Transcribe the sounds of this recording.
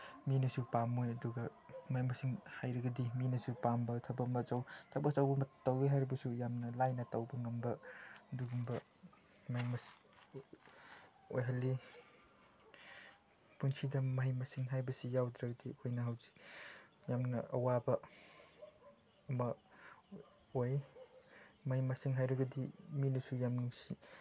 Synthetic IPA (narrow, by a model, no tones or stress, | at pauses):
minɐsupamojɐduɡɐmɐɦijmɐsiŋhajɾɐɡɐdiminɐsupambɐtʰɐbɐmɐt͡ʃawtʰɐbɐsawbɐmɐtːɐweɦajɾibɐsujamnɐlajnɐtɐwbɐŋɐmbɐduɡumbɐ | mɐhimɐs | ojɦɐlːi | punsʰidɐmɐɦimasiŋɦajbɐsijawd̪ɾɐɡɐdiɐkʰojnɐɦawzi̥kjamnɐʔɐ̰wabɐ | mɐ | oj | mahimasiŋɦajɾɐɡɐdiminusujamnuŋsi